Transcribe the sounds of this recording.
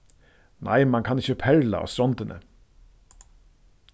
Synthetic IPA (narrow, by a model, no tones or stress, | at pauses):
nʔa̰jmaŋkʰanɪçəpʰɛɹla̰ʔa̰st̪ɾɔnt̪ɪnʔə̰